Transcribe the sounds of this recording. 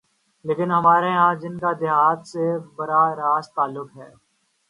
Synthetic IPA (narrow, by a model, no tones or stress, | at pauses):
leːkɪnɦɐmaːɾeãːd͡ʒɪnkad̪ɪɦaːt̪sebɐɾaɾaːst̪aːlːʊkɦɛː